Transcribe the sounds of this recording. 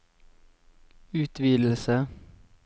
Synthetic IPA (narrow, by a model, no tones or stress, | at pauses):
ʉːt̪ʰʋiːd̪l̩sə